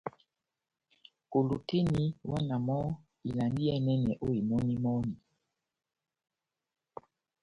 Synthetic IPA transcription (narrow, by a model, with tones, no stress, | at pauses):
ko˨lo˨tʰe˦ni˨wa˦na˨mɔ˦ | i˨la˨ndi˦jɛ˦˨nɛ˦nɛ˨ʔo˦i˨mɔ˦ni˦mɔ˦ni˨